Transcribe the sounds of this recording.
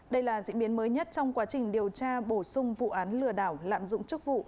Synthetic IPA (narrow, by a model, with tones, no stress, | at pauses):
ɗə˧jlaː˨˩zḭ˧˥ɓi˨˦ənməː˨˦jɲə˦˥t̚t͡ɕɔ˧wŋ͡mkwaː˨˦t͡ɕï˨˩ŋ̟ɗi˨˩əwt͡ɕaː˧ɓo˧˩sʊ˧ŋ͡mvṵ˧˨ʔaː˨˦nlɨ˨˩əɗaː˧˩wla̰ː˧˨mzʊ̰˧˨ŋ͡mt͡ɕɨ˦˥k̚vṵ˧˨